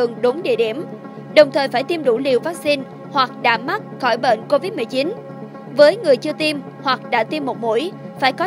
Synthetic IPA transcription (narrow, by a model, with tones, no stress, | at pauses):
ɨ˨əŋɗʊ˨˦ŋ͡mɗḭ˧˨ɗi˧˩əm | ɗə˨˩wŋ͡mt̪ʰəː˨˩jfaː˧˩jt̪i˧mɗu˧˩li˨˩əwvaː˦˥k̚si˧n | hwa˨˩k̚ɗa̰ː˧˥ma˦˥t̚xɔ˧˩jɓə̰˧˨nko˧vi˦˥t̚m˨˩əjt͡ɕi˨˦n | vəː˨˦jŋɨ˨˩əjt͡ɕɨ˧ət̪i˧m | hwa˨˩k̚ɗa̰ː˧˥t̪i˧mːo˨˩t̚mṵ˧˥əjfaː˧˩jkɔ˨˦